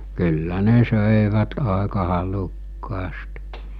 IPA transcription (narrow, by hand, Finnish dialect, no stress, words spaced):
kylːæ ne søˑeʋæt ɑˑekɑ hɑlukːɑːst